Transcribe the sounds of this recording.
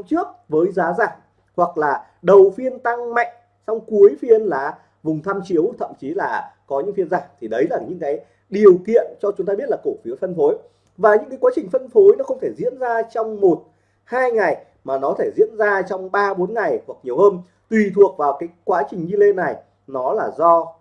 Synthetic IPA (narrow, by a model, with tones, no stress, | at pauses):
ŋ͡mt͡ɕɨ˦˥ək̚vəː˨˦jzaː˨˦zaː˧˩ŋ | hwa˨˩k̚laː˨˩ | ɗə˨˩wfi˧ənt̪a˧ŋma̰˧˨jŋ̟ | sa˧wŋ͡mku˨˦əjfi˧ənlaː˨˩ | vʊ˨˩ŋ͡mt̪ʰaː˧mt͡ɕi˨˦əwt̪ʰə̰˧˨mt͡ɕi˨˦laː˨˩kɔ˨˦ɲɨ̰˧˥ŋfi˧ənzaː˧˩ŋt̪ʰi˨˩ɗə˨˦jlaː˨˩ɲɨ̰˧˥ŋkaː˨˦j | ɗi˨˩əwkḭ˧˨ənt͡ɕɔ˧t͡ɕʊ˨˦ŋ͡mt̪aː˧ɓi˦˥ət̚laː˨˩ko˧˩fi˨˦əfə˧nfo˨˦j | vaː˨˩ɲɨ̰˧˥ŋkaː˨˦jkwaː˨˦t͡ɕï˨˩ŋ̟fə˧nfo˨˦jnɔ˨˦xə˧wŋ͡mt̪ʰe˧˩jzḭ˧˥ənzaː˧t͡ɕɔ˧wŋ͡mmo˨˩t̚ | haː˧jŋa˨˩j | maː˨˩nɔ˨˦t̪ʰe˧˩jzḭ˧˥ənzaː˧t͡ɕɔ˧wŋ͡mɓaː˧ɓo˨˦nŋa˨˩jhwk̚ɲi˨˩əwhəː˧n | t̪wi˨˩t̪ʰu˨˩ək̚vaː˨˩wkaː˨˦jkwaː˨˦t͡ɕï˨˩ŋɲi˧le˧na˨˩j | nɔ˨˦laː˨˩zɔ˧